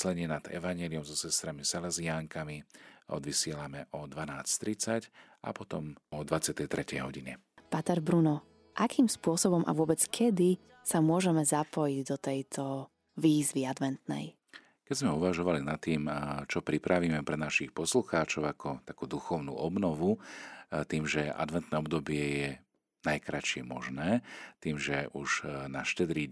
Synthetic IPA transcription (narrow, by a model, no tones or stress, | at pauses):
slɛɲɪɛnad̪̥ɛ̰ʋaɲɛliɔmzɔsɛst̪ɾamisɛlɛziaːŋkamiɔ̰d̪ʋisɪɛlamɛʔɔd̪ʋanaːst̪ɾit͡sacʔa̰pɔt̪ɔmɔd̪ʋat͡sɪat̪ɛjt̪ɾʔɛcɛ̰jɦɔɟiɲɛ | pat̪ɛɾbɾunɔ | ʔakʰiːmspʊɔsɔbɔmʔa̰ʋʊɔbɛt͡skʰɛd̪i | samʊɔʒɛmɛzapɔjiɟd̪ɔt̪ɛjt̪ʰɔ | ʋiːzʋiad̪ʋɛnt̪nɛ̰j | kɛzmɛuʋaʒɔʋalinat̪ːiːmt͡ʃɔpɾipɾʔaʋiːmɛpɾɛnaʃixpɔsluxaːt͡ʃɔʊakʰɔt̪akuːd̪uxɔʊnṵːɔbnɔʋu | t̪iːmʒɛa̰d̪ʋɛnt̪nɛːɔbd̪ɔbɪɛjɛ | najkɾat͡ʃɪɛmɔ̰ʒnɛːt̪iːmʒɛʔuʒnaʃcɛd̪ɾi